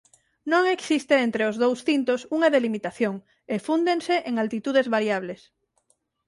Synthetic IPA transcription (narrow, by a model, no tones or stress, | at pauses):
nõŋeksist̪eent̪ɾeozðowsθint̪osuŋaðelimit̪aθjoŋ | efund̪enseʔeŋalt̪it̪uðezβaɾjaβles